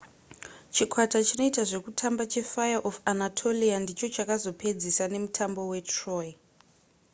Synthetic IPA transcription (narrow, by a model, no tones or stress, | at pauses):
t͡ʃikʰwatat͡ʃino̞itaʐe̞kutʰambat͡ʃe̞fajaʔofanatʰo̞liandit͡ʃo̞t͡ʃakazo̞pʰe̞d͡zisane̞mutʰambo̞we̞troji